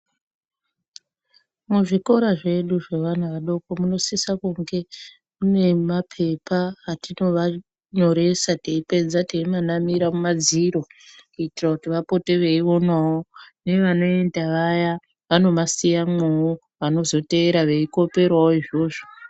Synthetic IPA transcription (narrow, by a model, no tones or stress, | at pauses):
muʐiko̞ɾaʐe̞ɗuʐeʋan̤uʋaɗo̞komuno̞sisakuŋɡe̞ | mune̞mapʰe̞paːtino̞ʋa | ɲo̞ɾe̞sateipe̞d͡zateimanamiɾamumad͡ziɾo̞kuitirakutiʋapo̞te̞ʋe̞io̞naone̞ʋano̞e̞ndaʋaja | ʋano̞masijamweu | ʋano̞zo̞te̞ːɾaʋe̞iko̞pe̞rwaoiʐo̞ːʐo